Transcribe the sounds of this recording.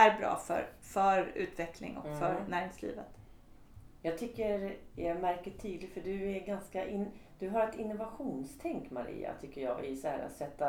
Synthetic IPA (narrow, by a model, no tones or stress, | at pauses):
æɾbɾɑ̰ːfœ̰ɾ | fœɾʉ̟̰ːt̪vɛklɪ̰ŋɔ̰kfœɾnæːɾɪŋslḭːvət̪ | jɑːɡ̚t̪ʰʏkːəɾjɑmæɾkəʈʰiːd̪lɪɡfœɖɵæɾɡanskaʔɪnd̪̥ɵɦaɾɛt̪ɪnːʊvaɧuːnst̪ʰɛŋkmaɾḭːa̰t̪ʰʏkːəɾjɑ̰ːɡɪ̰shæ̰ːɾa̰t̪sɛt̪ːa